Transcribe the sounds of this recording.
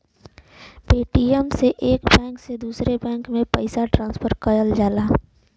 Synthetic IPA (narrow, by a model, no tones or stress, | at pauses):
peːʈiəmseʔeːkbɛ̃ːŋksed̪uːsɾebɛ̃ːŋkmẽpɐɪsaʈɾãːnspʰəɾkəjəld͡ʒaːlaː